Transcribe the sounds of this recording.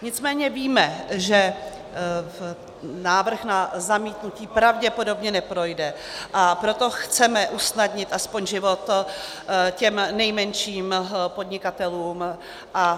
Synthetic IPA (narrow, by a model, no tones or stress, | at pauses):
ɲɪt͡smɛːɲɛviːmɛʒɛ | naːvr̩xnazamiːt̪nuciːpɾavɟɛpo̞do̞bɲɛnɛpɾo̞jdɛ | ʔapɾo̞t̪o̞xt͡sɛmɛʔusnadɲɪt̪ʔaspo̞ɲʒɪvo̞t̪ | cɛmnɛjmɛnʃiːmpod̪ɲɪkat̪ɛluːm | ʔa